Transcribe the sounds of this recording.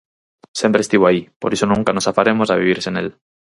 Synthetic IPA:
sempɾest̪iβoaipoɾisonũŋkanosafaɾemosaβiβ̞iɾsenḛl

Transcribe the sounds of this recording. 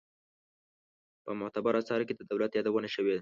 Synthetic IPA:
pəmʊht̪abaɾasɑɾked̪əd̪awlat̪jɑd̪awənaʃəwe

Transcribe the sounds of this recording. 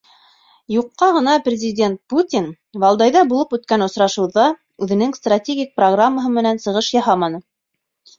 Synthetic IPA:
juqːɑʁɤ̆nɑprʲɪzʲɪdʲent̪̚put̪ʲin | vɑlˠd̪ɑjðɑbulˠɤpʉt̪kænŏsɾɑʃɤ̆wðɑ | ʉðɘ̆nɘŋst̪ratʲeɡʲik̚proɡramːəɦɤmɘ̆nænsɤ̆ʁɤʃjɑɦɑmɑnɤ

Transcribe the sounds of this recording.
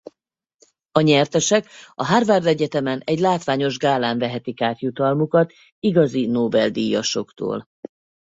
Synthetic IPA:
ɒɲɛrt̪ɛʃɛkɒɦaːrvaːrd̪ɛɟɛt̪ɛmɛnɛɟlaːt̪ʋaːɲo̞ʒɡaːlaːɱvɛɦɛt̪ikaːt̪jut̪ɒlmukɒt̪ | iɡɒzinoːbɛld̪iːjɒʃo̞kt̪o̰ːl

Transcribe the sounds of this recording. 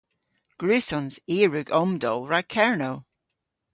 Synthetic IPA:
ɡ̥ɹʉsɔnz̥iːɹʉɡɔmdɔlˠɹakʰɛɹnow

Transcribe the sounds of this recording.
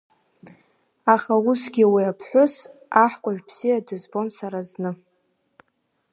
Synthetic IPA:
aχausɡʲiwiapʰħʷʊsaħkʷʼaʒᶣbz̥ijadɨzbo̞nsaɾaznɨ

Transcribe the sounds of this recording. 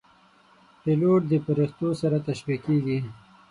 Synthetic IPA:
piloʈ̚d̪əpaɾixt̪osaɾat̪aʃwikeɡi

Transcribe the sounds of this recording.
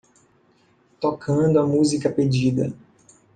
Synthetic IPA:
t̪okʰɐ̃d̪ʊɐmuzikɐped͡ʒid̪ɐ

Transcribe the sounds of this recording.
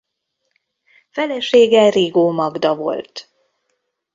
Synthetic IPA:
fɛlɛʃeːɡɛriɡoːmɒɡd̪ɒvo̞̰lt̪

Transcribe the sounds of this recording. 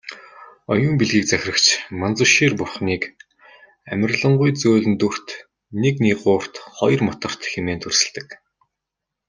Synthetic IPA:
ɔjʊːmpiɮɣiːk̚t͡sæxʲrə̆kt͡ɕʰmant͡sʊ̆ʃiːrpʊrχniːk | æmʲə̆rɮə̆ɴɢʊjt͡soːɮɘ̆nt̪ur̥t̪ | nekniːɢʊːr̥t̪χɔjrmɔt̪ɞ̆r̥t̪xemeːnt̪ʰɵrsɘ̆ɮt̪ɘ̆k

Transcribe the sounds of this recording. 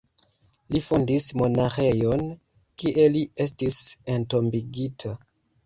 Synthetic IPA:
lifondismo̞naxe̞jon | kiʔe̞lie̞s̬tise̞nto̞mbiɡitʰa

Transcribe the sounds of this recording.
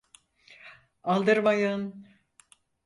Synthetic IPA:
alˠd̪ɯɾmajan

